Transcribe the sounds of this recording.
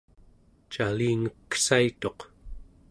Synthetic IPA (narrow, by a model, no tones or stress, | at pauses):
t͡ʃaliːŋəkːsait̪o̞q